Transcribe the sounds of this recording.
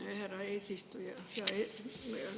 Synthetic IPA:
hærɑeisist̪ujɑjɑe

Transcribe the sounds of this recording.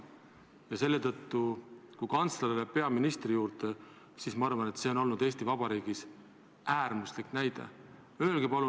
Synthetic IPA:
jɑse̞lːe̞t̪ɤ̞t̪ːukujkɑnt̪sleɾilepe̞ɑminist̪rijuːɾt̪e | sismɑɑrvɑne̞t̪se̞o̞no̞lnud̪̥e̞ːst̪ivɑb̥ɑɾiːɡ̥is | æːrmusliknæjd̪̥e̞̰ | yelɡ̥ipɑlu

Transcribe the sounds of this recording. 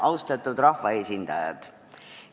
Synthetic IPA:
ʔɑwst̪ɑt̪ːˑud̪rɑhvɑe̞ːsʲind̪̥ɑjɑ̰d̪̥

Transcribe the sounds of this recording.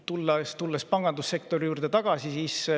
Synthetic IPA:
t̪ulːɑst̪ulːespɑŋɡ̥ɑnd̪usːe̞kt̪o̞ɾijuːɾd̪et̪ɑɡ̥ɑsisiːs

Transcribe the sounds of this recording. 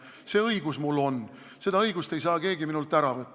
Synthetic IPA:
se̞ːɤjɡusmulːo̞n | se̞d̪̥ɑɤjɡust̪e̞jsɑːke̞ːɡiminult̪ːˑæɾɑvɤt̪ː

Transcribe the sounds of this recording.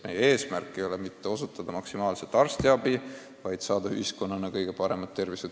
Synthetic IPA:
me̞̰jee̞ːsmærkːˑejo̞lemit̪ːe̞o̞sut̪ːˑɑd̪̥ɑmɑksimɑːlset̪ːˑɑrst̪iɑbi | vɑjd̪̥sɑːd̪̥ɑy̰hisko̞nːɑnɑkɤjɡ̥e̞pɑɾe̞mɑt̪ːe̞rvise

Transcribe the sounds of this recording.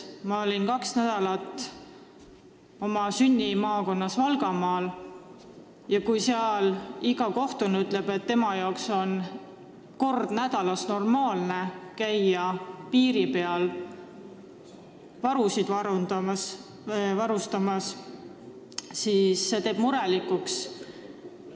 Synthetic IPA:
mɑo̞lʲinkɑksnæd̪̥ɑlɑt̪ːˑ | o̞mɑsynʲːimɑːko̞nːɑsvɑlɡ̥ɑmɑːl | jɑkujseɑliɡɑko̞ht̪unyt̪ˑleb̥e̞t̪ːe̞mɑjɑokso̞n | ko̞rd̪̥næd̪̥ɑlɑsno̞rmɑːlne̞kæjɑpiːɾipe̞ɑl | vɑɾusid̪vɑs | vɑɾust̪ɑmɑs | sisːe̞t̪e̞ːb̥muɾelikːˑuks

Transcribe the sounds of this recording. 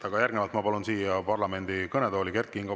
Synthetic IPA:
t̪ɑɡ̥ɑjæɾɡnevɑlt̪mɑpɑlunsiːjɑpɑrlɑme̞nd̪ikɤned̪o̞ːlʲikert̪̚kiiŋɡ̥ɑ

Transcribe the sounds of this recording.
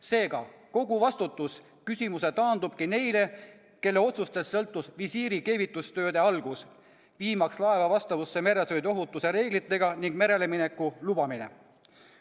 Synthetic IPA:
se̞ːɡ̥ɑko̞ɡ̥uvɑst̪ut̪ːˑus | kysimuse̞t̪ɑːnd̪ub̥̚kine̞jle̞ | ke̞lːeo̞t̪sust̪e̞sːɤ̞lt̪ːˑusvisiːɾike̞ːvit̪ːˑust̪ø̞ːd̪̥e̞ɑlɡ̥us | viːmɑkslɑe̞vɑvɑst̪ɑvusːe̞me̞ɾe̞sojd̪o̞ɦut̪ːˑuse̞ɾe̞ːɡ̥lit̪ːˑe̞ɡ̥ɑniŋɡ̥me̞ɾe̞le̞mine̞kːˑulubɑminḛ

